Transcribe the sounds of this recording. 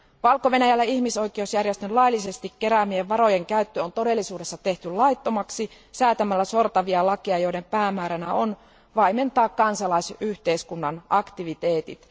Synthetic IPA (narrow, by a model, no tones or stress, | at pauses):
ʋɑlkoʋe̞næjælːæiçmiso̞jkˑeusjærjest̪ønlɑjlːise̞st̪ikːe̞ɾæmieʋʋɑɾo̞jeŋkæyt̪ːøont̪o̞de̞lːisuːde̞sːɑt̪e̞ht̪yllɑjt̪ːo̞mɑksi | sæːt̪æmælːæso̞rt̪ɑʋiɑlɑkiɑjo̞jde̞mpæːmæːɾænæ̰on | ʋɑime̞nt̪ɑːkːɑnsɑlɑisyht̪e̞iskunːɑnɑkt̪iʋit̪eːt̪ḭt̪